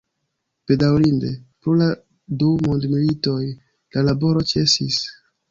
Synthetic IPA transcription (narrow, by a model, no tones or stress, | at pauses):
pe̞dawlinde̞pɾola | dumondmilito̞j | lalabo̞ɾo̞t͡ʃe̞sis